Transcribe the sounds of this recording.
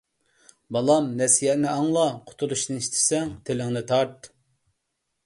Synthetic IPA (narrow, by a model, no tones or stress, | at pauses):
bɑlˠɑmnɛsijɛʔnɪɑŋlˠɑqʰʊ̥t̪ʰuɾuʃnɨiʃt̪ʰɪ̥sɛŋt̪ʰelɪŋnɪt̪ʰɑɾt̪